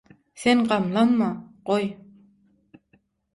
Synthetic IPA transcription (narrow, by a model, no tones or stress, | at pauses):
seɴqɑmlˠɑnmɑqoj